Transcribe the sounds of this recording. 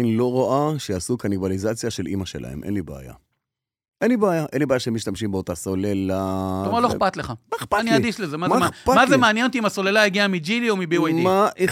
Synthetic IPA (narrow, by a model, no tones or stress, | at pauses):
nlo̞ʁoʔaʃejasukanivalizat͡sjaʃelʔḭmaʃḛlʔa̰hḛmʔḛnlibea̰ja̰ | ʔenlibeajaʔenlibeajaʃeemiʃt̪amʃimbeot̪asolelalomaʁloexpat̪leχamaepaaniad̪iʃlezemazmapamazemeanjenot̪̬iimasolelaiɡiamid͡ʒiliomibiajd̪imaʔe